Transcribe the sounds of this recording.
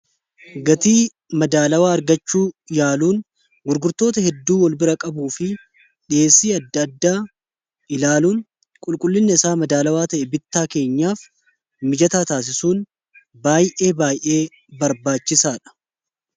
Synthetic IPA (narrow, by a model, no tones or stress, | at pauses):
ɡɐt̪iː | mɐd̪aːlɐwaːɐɾɡɐt͡ʃːuːjaːluːn | ɡʊɾɡʊɾt̪o̞ːt̪ɐhɛd̪ːuːwɔlbɪɾɐkʼɐbuːfɪ | ᶑɪeːsiːɐd̪ːɐd̪ːaː | ɪlaːluːn | kʼʊlkʼʊlːɪnːɛɪsaːmɐd̪aːlɐwaːt̪ɐʔɛbɪt̪ːaːke̞ːɲːaːf | mɪd͡ʒɐt̪aːt̪aːs̬ɪsuːn | baːjʔe̞ːbaːjʔe̞ː | bɐɾbaːt͡ʃːɪsaːᶑɐ̥